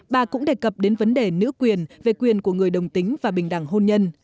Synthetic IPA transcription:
ɓaː˨˩kʊ̰˧˥ŋ͡mɗe˨˩kə˨˩p̚ɗe˨˦nvə˨˦nɗe˨˩nɨ̰˧˥əkwi˨˩ənve˨˩kwi˨˩ənku˧˩əŋɨ˨˩əjɗə˨˩wŋ͡mt̪ï˨˦ŋ̟vaː˨˩ɓï˨˩ŋ̟ɗa̰˧˩ŋɦo˧nɲə˧n

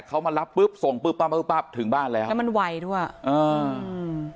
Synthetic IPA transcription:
kʰa˦˥wmaː˧ɾa˦˥pːɯ˦˥˩p̚so˨˩˦ŋpɯː˦˥˩pːaː˦˥˩pɯː˦˥˩pːaː˥˩p̚t̪ʰɯ˩˦ŋbaː˥˩nlɛː˦˥wɛ˧˦ma˧nwa˧jdu˥˩əjʔɤː˧

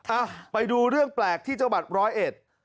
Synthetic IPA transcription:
ʔa˧˩pa˧jduː˧ɾɯ˥˩əŋplɛː˨˩k̚t̪ʰiː˥˩t͡ɕa˧wba˨˩t̪̚ɾɔː˦˥jʔe˨˩t̪̚

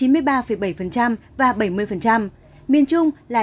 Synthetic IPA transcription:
i˨˦mɨ˧əjɓaː˧fə˧˩jɓa˧˩jfə˨˩nt͡ɕa˧mvaː˨˩ɓə˧˩jmɨ˧əjfə˨˩nt͡ɕa˧m | mi˨˧˩ənt͡ɕʊ˧ŋ͡mlaː˨˩

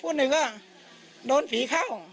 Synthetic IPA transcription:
pʰuː˧˥˩nɯ˨˩ŋa˧˩ | doː˧nfiː˨˦kʰa˥˩w

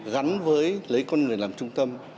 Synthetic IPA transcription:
ɣa˨˦nvəː˨˦jlə˨˦jkɔ˧nŋɨ˨˩ənlaː˨˩mt͡ɕʊ˧ŋ͡mt̪ə˧m

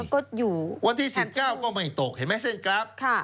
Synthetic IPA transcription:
kɔː˥˩juː˨˩wa˧nt̪ʰiː˥˩si˨˩p̚kaː˥˩wkɔː˥˩ma˥˩jt̪o˨˩k̚he˨˩˦nmaː˧˥˩se˥˩nkʰɾa˦˥p̚kʰa˥˩

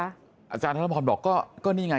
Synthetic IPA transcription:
ʔa˧t͡ɕaː˧nʰa˥˩˥ɔː˧nbɔː˨˩kːɔː˥˩kɔː˥˩niː˥˩ŋaː˧

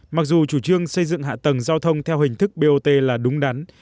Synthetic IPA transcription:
ma˨˩k̚zu˨˩t͡ɕu˧˩t͡ɕɨ˧əŋsə˧jzɨ̰˧˨ŋɦa̰ː˧˨t̪ə˨˩ŋzaː˧wt̪ʰə˧wŋ͡mt̪ʰɛ˧wɦï˨˩ŋ̟t̪ʰɨ˦˥k̚ɓe˧ʔo˧t̪e˧laː˨˩ɗʊ˨˦ŋ͡mɗa˨˦n

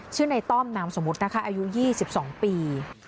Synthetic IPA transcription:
t͡ɕʰɯː˥˩na˧jt̪ɔː˥˩mnaː˧mso˨˩˦mu˦˥t̪̚na˦˥kʰa˦˥ʔaː˧ju˦˥jiː˥˩si˨˩p̚sɔː˩˦ŋpiː˧

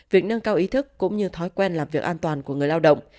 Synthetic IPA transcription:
vi˨˩ək̚nə˧nkaː˧wʔi˨˦t̪ʰɨ˦˥kːʊ̰˧˥ŋ͡mɲɨ˧t̪ʰɔ˨˦jkwɛ˧nlaː˨˩mvi˨˩ək̚ʔaː˧nt̪waː˨˩nku˧˩əŋɨ˨˩əjlaː˧wɗə̰˧˨wŋ͡m

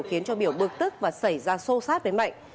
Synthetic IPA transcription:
wxi˨˦ənt͡ɕɔ˧ɓi˧˩əwɓɨ˨˩ək̚t̪ɨ˦˥k̚vaː˨˩sa˧˩jzaː˧so˧saː˦˥t̚vəː˨˦jma̰˧˨jŋ

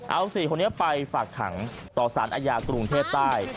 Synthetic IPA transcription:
ʔa˧wsiː˨˩kʰo˧nːi˦˥ɐpa˧jfaː˨˩kʰa̰˩˦ŋ | t̪ɔː˨˩sa̰ː˩˦nʔaː˧jaː˧kɾu˧ŋt̪ʰeː˥˩p̚t̪aː˥˩j

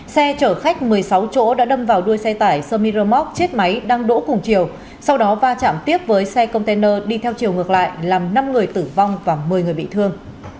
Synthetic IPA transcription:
sɛ˧t͡ɕəː˧˩xa˦˥jk̟̚mɨ˨˩əjsa˨˦wt͡ɕo̰˧˥ɗa̰ː˧˥ɗə˧mvaː˨˩wɗu˧əjsɛ˧t̪aː˧˩jsəː˧mi˧ɾə˧mɔ˦˥k̚t͡ɕe˦˥t̚ma˨˦jɗaː˧ŋɗo̰˧˥kʊ˨˩ŋ͡mt͡ɕi˨˩əw | sa˧wɗɔ˨˦vaː˧t͡ɕa̰ː˧˨mt̪i˦˥əp̚vəː˨˦jsɛ˧kə˧wŋ͡mt̪e˧nəː˧ɗi˧t̪ʰɛ˧wt͡ɕi˨˩əwŋ˨˩ək̚la̰ː˧˨jʔlaː˨˩mna˧mŋɨ˨˩əjt̪ɨ˧˩va˧wŋ͡mvaː˨˩mɨ˨˩əjŋɨ˨˩əjɓḭ˧˨t̪ʰɨ˧əŋ

